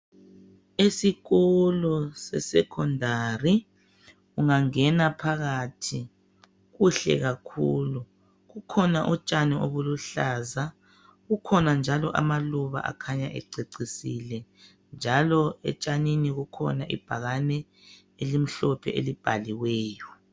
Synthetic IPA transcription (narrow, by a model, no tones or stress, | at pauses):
esiɣɔlɔsɛ̰sɛkʰɔndʱari | ɣuŋaŋɛnapʰaɣatʰi | ɣuɬɛ̰ɣakʰuːlu | ɣukʰɔnaʔut͡ʃʼanioβuluɬaːza | ɣukʰɔnand͡ʒʱalɔʔa̰maluβa̰ʔa̰kʰaɲaʔɛ̰ǀeǀisilɛ | nd͡ʒʱalɔɛ̰t͡ʃʼaniniɣukʰɔ̰naʔḭb̥ʱaɣanɛ | elim̩ɬɔpʰɛ̰ʔelib̥ʱaliwɛːjɔ